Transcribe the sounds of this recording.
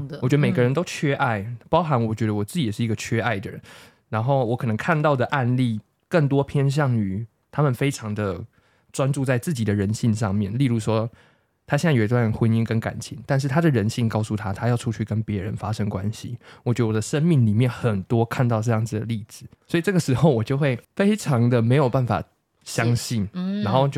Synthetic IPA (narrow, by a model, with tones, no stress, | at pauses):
ɔ˨˩t͡ɕɥɛ˧d̪ə˧me˨˩ɪɡə˦ɻə˧˦nt̪o˥ʊt͡ɕʰɥɛ˥ʔa˥˩ɪpɑ˥ʊxa˧˥nwɔ˨˩t͡ɕɥɛ˧˥ɾə˧wɔ˨˩t͡sɹ̩˥˩t͡ɕi˨jɛ˨˩ʂɻ̩˥˩i˧˥ɡə˨˧t͡ɕʰɥɛ˥ʔa˥˩ɪd̪ə˨˩ɻə̰˧˦n | ɻa˧˥nxo˥˩ʊwɔ˧˥kʰɤ˨˩nə˧˦ŋkʰa˥˧nt̪ɑ˥˩ʊd̪ə˩ʔa˥˧nli˥˩ | kə˥˩ŋt̪̬wɔ˥pʰjɛ˥nɕ̬jɑ˥˨˩ŋy˨˩˦ | t̪ʰa˥mə˨nfe˥ɪʈ͡ʂʰɑ˧˦ŋd̪ə˨ | ʈ͡ʂwa˥nʈ͡ʂu˥˧t͡sa˥˧ɪt͡sɹ̩˥˩t͡ɕi˨˩d̪ə˦ɻə˧˦nɕi˥˧ŋʂɑ˥˧ŋmjɛ˥˩nli˥˧ɻu˥˩ʂwɔ˥˦ | t̪ʰa˥ɕjɛ˥˧na˥˩jo˨˩i˦˥t̪wa˥˩nxwə˧˥ni˥ŋkə˦nka̰˨˩nt͡ɕʰi˧˥˦ŋt̪a˥˧nʂ̬̩˥˩t̪ʰa˥d̪ə˨ɻə˧˦nɕi˥˩ŋkɑ˥˧ʊsu˥˩t̪ʰa˦˥t̪ʰa˥jɑ˥˩ʊʈ͡ʂʰu˧˥t͡ɕʰy˥˩kə˦npjɛ˧˦ɻə̰˧˦nfa˦ʂə˥ŋkwa̰˦nɕḭ˨wɔ˨˩t͡ɕɥd̪ə˧wɔ˨d̪ə˦ʂə˥nmi˥˩ŋli˨˩mjɛ˥˩nxə˨˩nt̪wɔ˥kʰa˥˧nt̪ɑ˥˧ʊʈ͡ʂɤ˥˧jɑ˥˩ŋd͡z̩˨˩d̪ə̰˩li˥˩d͡zɹ̩˨˩swi˨ʈ͡ʂɤ˥˩ɡə˩ʂɻ̩˧˥xo˥˩ʊwɔ˨˩t͡ɕjo˥˧ʊxwe˥˩ɪfe˥ɪʈ͡ʂʰɑ˧˦˥ŋd̪ə˨me˧˥ɪjo˨˩ʊpa˥˩nfa̰˨˩ | ɕjɑ˦˥ŋɕi˥˩nɻa˧˥nxo˥˧ʊt͡ɕjo˥˧